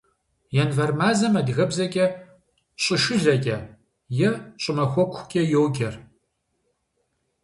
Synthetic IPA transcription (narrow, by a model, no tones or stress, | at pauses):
jɛnvɐrmaːzɐmɐdɣɐbzɐkʲʼɛ | ɕʼɪʃɨɮɐkʲʼɐ | jɛɕʼɪmɐxʷɔkʷʰkʲʼɐjowɡʲʼɐr